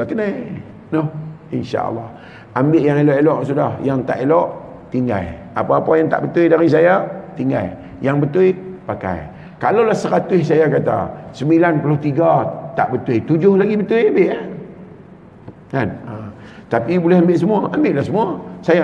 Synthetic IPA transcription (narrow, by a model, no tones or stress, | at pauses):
akənaj | nohinʃa̰ʔə̰lːɑh | ambɪʔjaŋelɔʔelɔʔsudahjaŋt̪a̰ʔelɔʔ | t̪iŋɡa̰l | a̰paːpajaŋt̪a̰ʔbət̪uidaɾis̬ajat̪iŋɡa̰l | jaŋbət̪ʊijpaka̰j | kalawlahsəɾat̪ʊssajakat̪a̰səmbilanpuloht̪iɡat̪aʔbət̪ujt̪ud͡ʒʊhlaɡibət̪ʊjambɪʔ | kana | t̪apibulɛhambɪʔsəmuaʔambɪʔlahsəmuasaja